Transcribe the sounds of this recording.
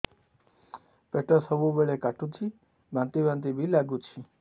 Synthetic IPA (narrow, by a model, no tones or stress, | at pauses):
peʈəsəbubeɭekaʈũt͡ʃʰi | bʱãnt̪ibʱãnt̪̬ibʱilaɡũt͡ʃʰi